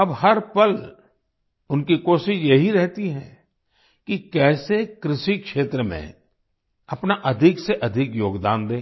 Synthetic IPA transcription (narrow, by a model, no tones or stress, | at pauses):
ɐbhɐɾpɐl | ʊnkikoːʃɪʃjɐɦiɾɛɦt̪iɦɛ̰̃ː | kikɛːsekɾɪʃikʃeːt̪ɾəmḛ̃ | ɐpnaʔɐd̪ʱɪkseʔɐd̪ʱɪkjoːɡd̪aːnd̪ẽː